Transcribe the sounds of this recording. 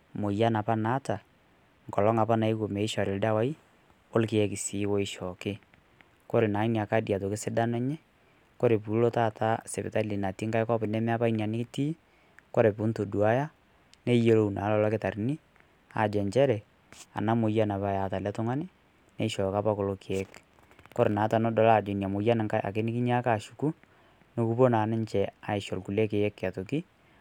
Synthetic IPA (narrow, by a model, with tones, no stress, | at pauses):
mo˨ja˦na˨pa˦na˦ta˨ | ŋ˨kɔ˨lɔ˦ŋa˨pa˦na˨i˦ko˨mɛ˨ɪ˦ʃɔ˨ɾɪ˨lda˦wa˦i˦ | o˦lkɪ˨ɛ˦kɪ˨si˨˦wo˦ɪ˦ʃɔ˨kɪ˦ | ko˦ɾe˨na˨˦i˦n˨a˨ka˦dja˨t̬o˨kɪ˦sɪ˦da˦nɛ˦ɲɛ˦ | ko˦ɾe˨pu˨˦lo˦ta˦˨ta˦sɛ˨pɪ̰˨ta˦li˨na˨ti˦ŋka˦ɪ˦kɔ˦pɪ˨nɛ˦mɛ˦a˦pa˦i˦nia˨nɪ˦kɪ˦tiː˦ | ko˦ɾe˨pʊ˦nto˨du˨a˦ja˦ | ne˦je˦lo˨u˨na˨˦lɔ˦lɔ˦kɪ˦ta˨ɾni˦ | a̰˨d͡ʒɛ˨ɲt͡ʃɛ˦ɾɛ˨ | a̰˨na˦mo˨ja˦na˨ba˨ja˨ta˨lɛ˦tʊ˦ŋa˦nɪ˦ | ne˦ʃɔ˨ka˦pa˦ko˨lo˦kɪ˨ɛ˦k | kɔ˦ɾe˨na˨˦ta˨nɔ˦dɔ˨˦laː˨d͡ʒo˨nja˨mo˨ja˦n˨ŋka˦jʔa̰˨k̬e˦nɪ˦kɪ˦ɲ˦a˦ka˨ʃu˨ku˦ | no˦ku˦po˦naː˨nɪ˦ɲt͡ʃɛ˨a˨ɪ˨ʃɔ˨lku˨lɛ˦kɪ˨ɛ˦kːa˨to˨ki˦